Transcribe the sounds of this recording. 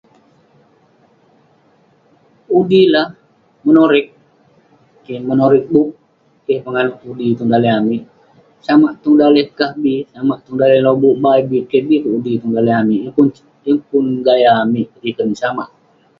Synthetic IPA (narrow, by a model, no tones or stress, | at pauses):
udilah | mənoɾɪk̚ː | emənoɾɪk̚buʔ | kehpəŋanuʔudit̪uŋdaleɦamiʔ | samaʔt̪uŋdalɛhkahbisamaʔt̪uŋdalɛhlobuʔbaibikebikuudit̪uŋdaleɦamiʔpun | jəŋpʊnɡajaːmiʔdikənsama̰ʔ